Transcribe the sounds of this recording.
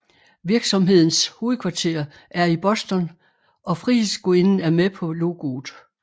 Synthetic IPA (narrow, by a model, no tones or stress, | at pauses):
ʋiɐɡ̥sɒ̽mɦe̝ð̞̰ˠn̩sho̝ːð̩ˠkʰʋɑ̈t͡sʰe̝̰ːɐ | ʔæɐib̥ɒ̽sd̥ɒn | ʔɒ̽fʁisɡ̥oe̝nn̩æɐmepʰɒ̽lo̝ɡ̥o̝ːð̥̩ˠ